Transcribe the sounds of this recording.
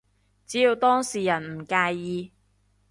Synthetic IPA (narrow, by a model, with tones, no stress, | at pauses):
t͡siː˨˥jiː˧wt̪ɔː˥ŋsiː˨˩jɐ˨˩nm̩˨˩kaː˧jːiː˧